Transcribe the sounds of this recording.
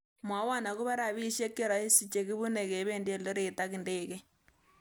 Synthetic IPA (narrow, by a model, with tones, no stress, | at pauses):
mwa˨˦wa˦˨na˨ku˦βa˦ɾa˨βi˦ʃe˦kːe˦˨ɾɔ˨i˦si˨t͡ʃe˨ki˦βu˦ne˨ke˨˦βe˦˨ndje˦˨lo˦ɾe˨ta˦ki˨ndeː˦˨kɛ˦